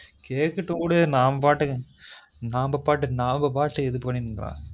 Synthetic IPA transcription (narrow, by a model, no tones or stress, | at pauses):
keːkːɐʈːɯkuːɽɐnaːmpaːʈːɯ | naːmbɐpaːʈ̬ːɯnaːmbɐpaːʈːɯɛðɯpːɐɳːɪnɯŋɡɐɾã̰ː